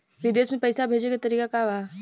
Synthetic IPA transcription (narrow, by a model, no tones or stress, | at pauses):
ʋɪd̪eːsmẽpɐjsabʱeːd͡ʒekat̪ɐɾiːkakaʋaː